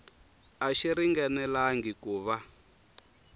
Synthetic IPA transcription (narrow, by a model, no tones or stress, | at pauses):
aʃiɾiŋɡɛnɛlaŋɡikuːβa